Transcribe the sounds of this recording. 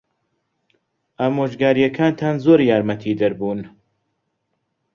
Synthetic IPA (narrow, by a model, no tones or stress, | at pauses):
ʔamoːd͡ʒɡaːɾijɛkʰaːnt̪ʰaːnzoːɾjaːɾmɐt̪ʰiːd̪ɐɾbuːn